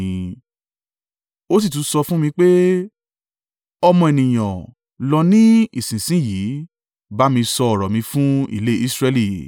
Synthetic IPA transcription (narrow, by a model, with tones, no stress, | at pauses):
o˦s̬i˦˨tũ˨˦sɔ˧fũ˦mĩ˧k͡pe˦ | ɔ˧mɔ̃˧e˨nĩ˨j̃ɔ̃˨ | lɔ˧nĩ˦i˨sĩ˨sĩ˦jiː˨˦ | ba˦mĩ˧sɔ˧ɔ˨ɾɔ˨mĩ˧fũ˦ḭ˦˨le˦i˦sɾɛ˧˦li˦˨